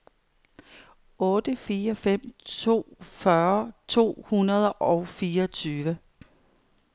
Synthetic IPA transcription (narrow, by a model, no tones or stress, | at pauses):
ɔ̽ːd̥əfiːɐfem̰t͡sʰo̝̰ːfɶɐt͡sʰo̝̰ːhunɐð̞ˠʔɒʊfiːɐɒt͡sʰyːʋə